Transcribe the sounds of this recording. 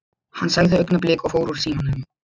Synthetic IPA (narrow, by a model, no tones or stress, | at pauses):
hanːsaɣðɪœknaplɪːkɔɣfoːwɾuɾ̥siːmanːʏm